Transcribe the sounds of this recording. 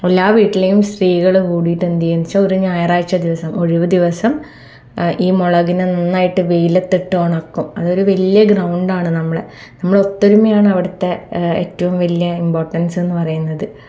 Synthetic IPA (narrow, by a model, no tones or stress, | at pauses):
elːaːʋiːʈːile̞jumsriːɣɐɭkuːɽijiʈːend̪ijɐnit͡ɕːɐoɾuɲaːjɐraːjt͡ɕːɐd̪iʋɐsɐmo̞ɻuʋɨd̪iʋɐsɐm | iːmoɭɐɣinenɐnːaːjiʈːɨʋejlet̪ːiʈːɨoɳɐkːumɐðo̞ɾuʋɐlijɐɡrɐwɳɖaːɳɨnɐmːɐɭḛnɐmːɐɭeot̪ːoɾumɐjaːɳɨɐʋiɽɐt̪ːe̞ḛːtːɐʋumʋɐlijɐimbo̞ːrʈːɐnse̞nːɨpɐrɐjunːɐðɨ